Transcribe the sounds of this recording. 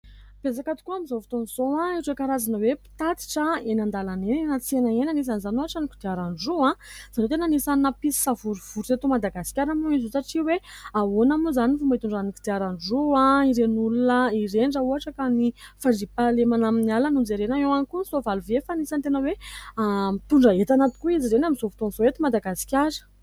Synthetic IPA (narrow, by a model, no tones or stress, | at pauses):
b̥ed͡zakat̪u̥kuamizovi̥t̪onizoãiɾekaɾazanəwepi̥t̪at̪i̥ʈ͡ʂəenand̪alanenenat͡senaenanis̬anizanoɦaʈ͡ʂanikid̪iaɾanɖ͡ʐoãz̥anot̪enanisanəpisi̥savuɾuv̥uɾset̪umad̪aɡasi̥kʲaɾamuizosaʈ͡ʂiweawonamuzanifumait̪uɳɖ͡ʐaniki̥d̪iaɾanɖ͡ʐoãiɾenulunəiɾeɳɖ͡ʐauaʈ͡ʂakanifaɳɖ͡ʐipalemanaminialanund͡zeɾenaewankunisovaluvefanisant̪enəweamt̪uɳɖ͡ʐəet̪anat̪i̥kuiziɾenamizofu̥t̪onzoet̪imad̪aɡasi̥kʲaɾə̥